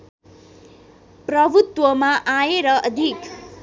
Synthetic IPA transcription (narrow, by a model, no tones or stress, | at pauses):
pɾʌbʱut̪wəmãʔaeɾʌʔʌd̪ʱik